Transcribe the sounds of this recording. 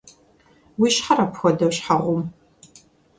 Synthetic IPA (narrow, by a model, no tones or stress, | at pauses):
wiːʃħaɾɐpʰxʷɔdɐwɕħaʁʷʊm